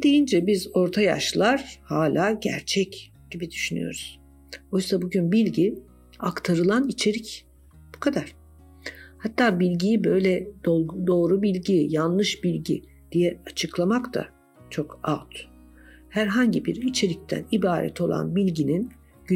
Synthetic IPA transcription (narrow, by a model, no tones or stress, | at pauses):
d̪̥e̞jind͡ʒɛbizo̞ɾt̪ʰaja̰ʃlˠaɾ̥haːlʲaːɟæ̰ɾt͡ʃʰɛc | ɟ̥ibid̪yʃyny̰jo̞̰ɾuz̥ | o̞jsabuɟynbilʲɟi | akt̪ʰaɾɯlˠanit͡ʃʰe̞ɾic | b̥u̥kʰad̪aɾ̥ | hat̪ʰːaːbilʲɟijibø̞jlʲɛd̪o̞ːɾubilʲɟijanlˠɯʃbilʲɟḭ | d̪̥ijɛat͡ʃʰɯklˠamakt̪ʰa̰ | t͡ʃʰo̞kat̪ʰ | hæɾɦaɲɟibiɾit͡ʃʰe̞ɾic̚t̪ʰæ̰nibaːɾɛ̰t̪ʰo̞lˠa̰nbilʲɟinin | ɟy